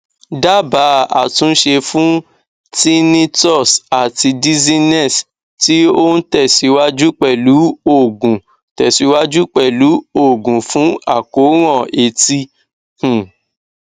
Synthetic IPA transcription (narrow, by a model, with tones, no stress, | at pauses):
da˦ba˨˦a̰˨tũ˨˧˦n̩˦ʃe˧fũ˦ | ti˦nĩ˦tɔ˦˨sa˨ti˧di˦zi˦nɛ˦˨s | ti˦o˦n̩˦tɛ˦˨si˨˧˦wa˦d͡ʒu˦k͡pɛ˦˨lu˨˦o˦˨ɡũ˨ | tɛ˨si˨˧˦wa˦d͡ʒu˦k͡pɛ˦˨lu˨˦o˦˨ɡũ˨fũ˨˦a̰˦˨ko˨˦ɾ̃ɔ̃˦˨e˧ti˧ | h̩˨